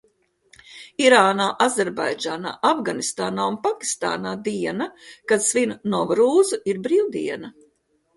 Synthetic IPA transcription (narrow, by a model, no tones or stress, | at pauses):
iɾaːnaːʔazɛɾba̰jd͡ʒaːna̰ːʔavɡanist̪aːnaːunpakʲi̥st̪a̰ːnaːd̪iɛnɐkad̪svinnɔvɾuːzuiɾbɾiːwd̪ḭɛnɐ